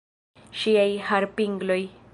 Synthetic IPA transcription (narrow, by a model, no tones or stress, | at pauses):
ʃiajhaɾpiŋɡloj